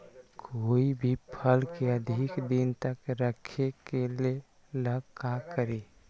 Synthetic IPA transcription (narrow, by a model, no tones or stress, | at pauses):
kʰoːibʱipʰəlkeəd̪ʱikd̪int̪əkɾəkʰekele | ləɡkãkəɾe